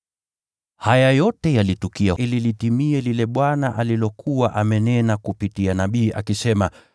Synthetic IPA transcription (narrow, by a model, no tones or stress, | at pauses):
hajajɔtɛjalitukiaililitimiɛlilɛɓwanaʔalilɔkʰuwaʔamɛnɛnakupitianaɓiːʔa̰kisɛma